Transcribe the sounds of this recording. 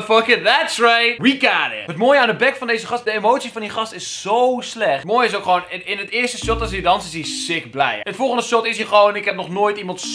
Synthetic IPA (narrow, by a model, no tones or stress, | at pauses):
fʌkɪðætsɹajt̚wikaːnɪ̰ɦətmoːjəandəbɛkfɔndejzəxɑsdəemowtsifɑndixɑstɪsːowslɛxttmoːjɪs̬owkχʋoːnɪnətɪəstəsɔtɔsidɑnsɪsisɪkblɛ̰jətfɔlˠɣəndəsɔtɪsiχʋownnɪkɦɛp̚nɔχnoːjtimɑnts